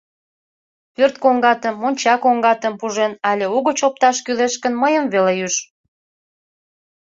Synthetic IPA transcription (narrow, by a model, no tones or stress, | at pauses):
pørt̪̚koŋɡɑt̪əmːonʲt͡ɕɑkoŋɡɑt̪əmpuʒenɑlʲeuɣət͡ɕop̚t̪ɑʃkyleʃkənməjəmvelejyʃ